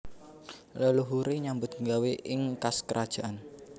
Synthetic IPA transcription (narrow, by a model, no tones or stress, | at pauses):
ləluɦuɾiɲambʊt̪̚ŋɡaweʔɪŋkaskəɾʔad̥ʒ̥aʔan